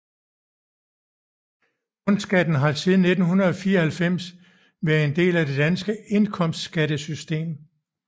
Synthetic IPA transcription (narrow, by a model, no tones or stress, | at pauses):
ɔ̽n̥sɡ̥æd̥n̩ɦɑ̈siːðˠn̩ːe̝d̥n̩hunɐð̩ˠɒ̽fiːɐhælfem̰s | ʋæɐe̝nde̝̰ːlæd̥e̝d̥ænsɡ̥əe̝nkʰɒ̽m̰sd̥sɡ̥æd̥əsysd̥e̝̰ːm